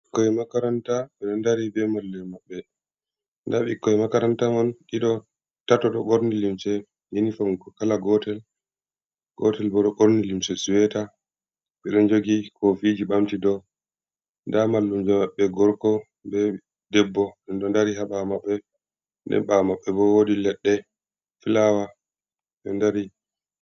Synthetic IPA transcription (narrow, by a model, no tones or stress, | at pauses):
ɓikːɔɛmakaɾantaɓɛɗɔndaɾibɛmalːɛmaɓːɛ | ndaɓikːɔɛmakaɾantamɔnɗiɗɔ | tatɔɗɔɡoɾnilimsɛ | jenifɔŋkɔkalaɡɔtɛl | ɡ̥ɔtɛlbɔɗɔɡoɾnilimsɛsuwɛta | ɓɛɗɔnd͡ʒoɡikʰofid͡ʒiɓamtidɔ | ndamalːumd͡ʒamaɓːɛɡɔɾkɔ | mbɛ | dɛbːɔɗɛnɗɔndaɾiɦaɓamaɓːɛ | ndɛ̰nɓamaɓːɛbɔwodilɛɗːɛ | filawa | ɓɛ̰ndaɾi